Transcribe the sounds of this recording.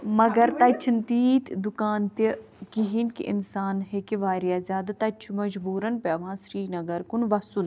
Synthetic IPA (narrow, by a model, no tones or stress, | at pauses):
mɐɡɐɾt̪ɐt͡ʃʰint̪iːt̪d̪ʊkaːnt̪i | kiɦinkḭʔɪ̰nsaːnɦekiʋaːɾijaːzjaːd̪ɐt̪ɐt͡ʃʰumɐd͡ʒbuːɾɐnpeɐʋãːsɾiːnɐɡɐɾkunʋɐsun